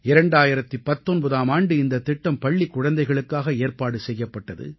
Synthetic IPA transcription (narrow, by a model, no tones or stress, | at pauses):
ɪɾɐɳɖaːjɪɾɐt̪ːipɐt̪ːɔnbɐðaːmaːɳɖɯɪnd̪ɐt̪ːɪʈːɐmpɐɭːikːʊɻɐnd̪ɐɪɣɐɭɯkːaːɣɐeːɾpaːɽɯsɛjːɐpːɐʈːɐðɯ̰